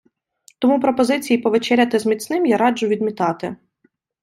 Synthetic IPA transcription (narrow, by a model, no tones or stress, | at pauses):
t̪ɔmupɾɔpɔzɪt͡sʲijipɔʋet͡ʃɛɾʲɐt̪ɪzmʲit͡s̪ʲnɪmjɑɾɑd͡ʒʊʋʲid̪̚mʲit̪ɑt̪ɪ